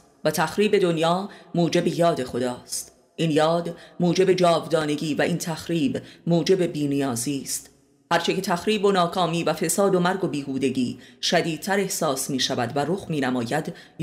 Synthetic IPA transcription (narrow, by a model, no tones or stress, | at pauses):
væt̪ʰæxɾiːbe̞d̪o̞njɒːmuːd͡ʒe̞be̞jɒːd̪e̞xo̞d̪ɒːst̪ | ʔinjɒːd̪muːd͡ʒe̞be̞d͡ʒɒːvd̪ɒːne̞ɟiːvæʔint̪ʰæxɾiːbmuːd͡ʒe̞be̞biːnijɒːziːst̪ | hæɾt͡ʃʰece̞t̪ʰæxɾiːbo̞nɒːkʰɒːmiːvæfe̞sɒːd̪o̞mæɾɡo̞biːhuːd̪e̞ɟiːʃæd̪iːd̪̚t̪ʰæɾe̞hsɒːsmiːʃævæd̪væɾoxmiːnæmɒːjæd̪